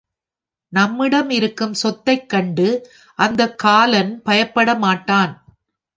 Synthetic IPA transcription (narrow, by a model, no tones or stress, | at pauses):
nɐmːɪɽɐmɪɾɯkːɯmsɔt̪ːɐɪkːɐɳɖɯ | ʔɐnd̪ɐkːaːlɐnpɐjɐpːɐɽɐmaːʈːaːn